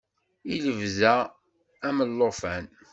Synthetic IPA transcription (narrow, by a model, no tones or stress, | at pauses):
iləvzæ | æməlːofæn